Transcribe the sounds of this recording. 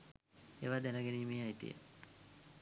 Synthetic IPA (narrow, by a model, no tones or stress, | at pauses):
eːʋaːd̪ænəɡeniːmeːajit̪ḭjə̰